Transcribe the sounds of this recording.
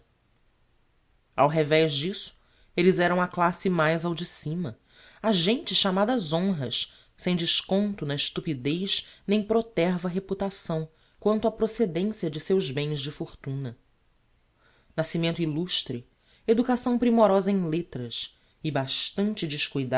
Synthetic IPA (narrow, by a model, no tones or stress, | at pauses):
awɦɛvɛzd͡ʒisʊ̥ | elɪzɛɾɐ̃w̃ɐklasɪmajzawd͡ʒisĩmɐ | aʒẽnt͡ʃɪsʃamad̪ɐzõɦɐʃ | sẽj̃d͡ʒɪʃkõnt̪ʊnɐɪʃt̪upid̪ejʃnẽj̃pɾot̪ɛɾvɐɦeput̪asɐ̃w̃ | kwɐ̃nt̪ʊapɾosed̪ẽsiɐd͡ʒɪsewzbẽj̃zd͡ʒɪfoχt̪ũnɐ | nasimẽnt̪iluʃt̪ɾɪ | ed̪ukasɐ̃w̃pɾimɔɾɔzɐẽj̃let̪ɾɐs | ɪbaʃt̪ɐ̃nt͡ʃɪd͡ʒɪʃkujd̪a